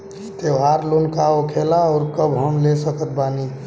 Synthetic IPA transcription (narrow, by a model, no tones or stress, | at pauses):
t̪eɦaɾlonkaokʰelaɔːɾkəbʱɦəmlesəkət̪̚bani